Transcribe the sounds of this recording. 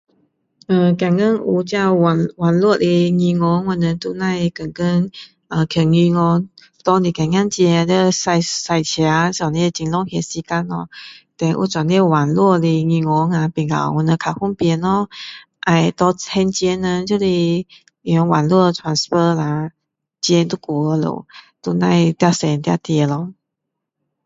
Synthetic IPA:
ə˧ka˨˩ŋkə˥˦nu˧˩t͡ɕja˥˧wwa˨˩nlwɔ˥˧li˧ŋi˧ŋɔ˧˦ŋwɔ˧˩nə˧t̪u˥˧na˥˧jkə˨˩ŋkə˧n | ə˧˩kʰə˨˩ŋi˧ŋɔ˧ŋ | t̪ɔ˧ni˨˩ka˨˩ŋja˥˧ŋt͡ɕjɛ˧də˧sa˧sa˨˩ɪt͡ɕʰja˧˦sa˨˩ni˧t͡ɕi˨nlɔ˥ŋhjɛ˧˩si˧ka˧˦nɔ̰˧t̪ɛ˨˧ŋʔṵ˧˦t͡swa˨nlɛ˥˧wa˨nlwɔ˥˧li˧ŋy˧˩ŋɔ˧˦ŋa˧pi˨˩ŋa̰˨˩wɔ˧˦nə˧kʰa˨˩hu˥˨ŋpjɛ˧˦nɔ˧ | ʔa˧˩jt̪ɔ˧t͡sʰɛ˧nt͡ɕjɛ˧nə˧t͡ɕo˥˧li˧˩ | i˨˩ɔ˧˦ŋwa˨nlwɔ˥˨˧t͡sʰwa˨˦nspə˧la˧ | t͡ɕjɛ˧nt̪u˥˧˦ku˨˧lo̰˨˩˦t̪u˧na˥˧jt̪ja˥˧˩sɛ˨˧˨nt̪ja̰˥˧˩t̪jɛ˧˩lɔ˧

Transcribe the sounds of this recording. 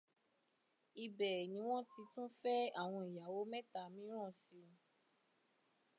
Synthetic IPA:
i˧bɛ˨nĩ˨˦w̃ɔ̃˦ti˧tũ˦fɛ˦a˦˨w̃ɔ̃˧i˨ja˨wo˨˦mɛ̃˦ta˨˧mĩ˦ɾ̃ɔ̃˦˨si˧

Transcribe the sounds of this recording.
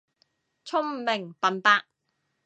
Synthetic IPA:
t͡sʰʊ˥ŋmɪ˨˩ŋpɐ˨npaː˧k̚

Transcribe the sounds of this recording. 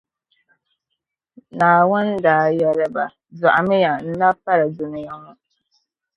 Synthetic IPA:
naː˨wʊ˦ndaː˨˦jɛ˦lɨ˦ba˨ | za˨ʔa˨mɪ˦ja˨n̩˦na˦pa˦ɾɨ˨dʊ˨nɪ˨ja˦ŋɔ˦

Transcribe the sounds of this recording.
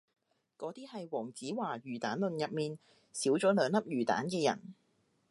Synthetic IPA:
kɔː˨˥t̪iː˥hɐ˨jwɔː˨˩ŋt͡siː˨˥waː˨˩jyː˨˩t̪aː˨˥nlɵ˨njɐ˨p̚miː˨n | siː˨˥wt͡ʃɔː˨˥lœː˨˧˥ŋnɐ˥p̚jyː˨˩t̪a̰ː˨˥nkɛː˧jɐ̰˨˩n

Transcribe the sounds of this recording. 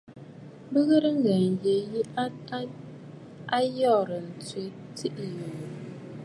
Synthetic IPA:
bə˦ɣə˦ɾə˦ŋ̩˦ɡə˨n̩˨je˨ji˦a˦ta˦ | a˦jɔ˦˨ɾə˨n̩˨t͡swe˦ | ti˦ʔi˨jo˨

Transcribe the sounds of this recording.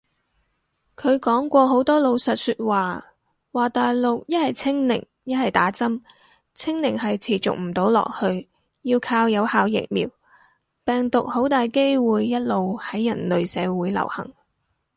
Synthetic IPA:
kʰɵ˨˧ɥkɔː˨˥ŋkʷɔː˧ɦo˨˥wt̪ɔː˥lo˨˧wsɐ˨t̚syː˧t̚waː˨ | waː˨t̪aː˨jlʊ˨k̚jɐ˥t̚hɐ˨jt͡sʰɪ˥ŋnɪ̰˨˩ŋ | jɐ˥t̚hɐ˨jt̪aː˨˥t͡sɐ˥m | t͡sʰɪ˥ŋnɪ˨˩ŋɦɐ˨jt͡sʰiː˨˩t͡sʊ̰˨k̚m̩˨˩t̪o˨˥wlɔ̰ː˨k̚hɵ˧ɥ | jiː˧wkʰaː˧wjɐ˨˧whaː˨˧wjɪ̰˨˩k̚mḭː˨w | pɛː˨ŋt̪ʊ˨k̚ho˨˥wt̪aː˨jke˥jwuː˨jːɐ˥t̚lo˨whɐ˨˥jːɐ˨˩nlɵ˨ɥsɛː˨˧wuː˨˥jlɐ̰˨˩whɐ̰˨˩ŋ

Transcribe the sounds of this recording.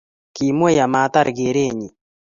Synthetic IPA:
ki˨mwo˦ja˨ma˨˦t̪a˦ɾɡe˨ɾe˦ɲi˨

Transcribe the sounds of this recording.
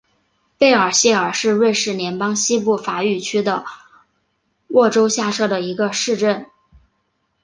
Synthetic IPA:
pe˥˩ɪə˞˨˩ɕjɛ˥˩ə˞˨˩ʂɻ̩˥˧ɻe˥˧ɪʂɻ̩˥˩njɛ˧˥npɑ˥ŋɕi˥p̬u˥˩fa˨˩y˥˩t͡ɕʰy˥d̪ə˨ | wʔɔ˥˩ʈ͡ʂo˥ʊɕja˥˧ʂɤ˥˩d̪ə˩i˧˥ɡə˧ʂɻ̩˥˧ʈ͡ʂə˥˩n

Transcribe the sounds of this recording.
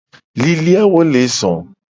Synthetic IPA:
li˨li˦a˦wo˦le˨˦sɔ̰̃˨

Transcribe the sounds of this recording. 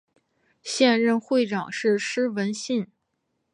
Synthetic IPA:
ɕjɛ˥˧nɻə˥˧nxwe˥˩ɪʈ͡ʂɑ˨˩ŋʂɻ̩˥˩ʂɻ̩˥wə˧˥nɕi˥˩n

